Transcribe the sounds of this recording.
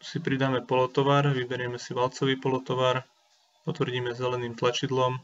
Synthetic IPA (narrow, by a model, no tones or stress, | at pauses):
sipɾid̪aːmɛpɔlɔt̪ɔʋaːɾʋibɛɾɪɛmɛsiʋalt͡sɔʋiːpɔlɔt̪ɔʋaːɾ | pɔt̪ʋrɟiːmɛzɛlɛniːmt̪lat͡ʃid̪lɔm